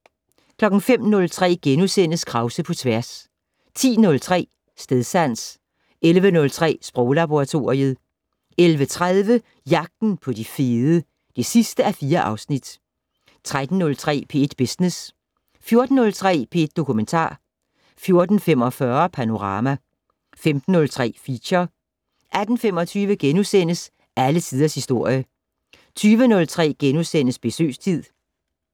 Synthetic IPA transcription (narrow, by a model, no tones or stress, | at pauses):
kʰlɒ̽ɡ̥n̩fem̰nɔ̽lt͡sʰʁɛ̰ːɡ̥enusen̰əskʰʁɑ̈ʊsəpʰɒ̽t͡sʰʋæɐs | t͡sʰḭːnɔ̽lt͡sʰʁɛ̰ː | sd̥eðˠsæn̰s | elʋənɔ̽lt͡sʰʁɛ̰ːsb̥ʁɔʊlæb̥o̝ʁɑ̈t͡sʰo̝ːɐiəð̞ˠ | elʋət͡sʰʁaðˠʋə | jɑ̈ɡ̥̚d̥n̩pʰɒ̽d̥ifeːðˠə | d̥esisd̥əæfiːɐʔɑ̈ʊsnid̥ | t͡sʰʁad̥n̩ːɔ̽lt͡sʰʁɛ̰ːpʰe̝ed̥b̥esnes | fjo̝ɐd̥n̩ːɔ̽lt͡sʰʁɛ̰ːpʰee̝d̥̚ːo̝kʰument͡sʰɑ̰̈ː | fjo̝ɐd̥n̩fem̰ɒ̽fɶɐpʰæno̝ʁɑ̈ːmæ | femd̥n̩ːɔ̽lt͡sʰʁɛ̰ːfiɕɐ | ʔæd̥n̩fem̰ɒt͡sʰyːʋəɡ̥enusen̰əs | ælət͡sʰiːð̞ˠɐshisd̥o̝ɐ̰jə | t͡sʰyːʋənɔ̽lt͡sʰʁɛ̰ːɡ̥enusen̰əsb̥e̝sø̰ːst͡sʰið̰ˠ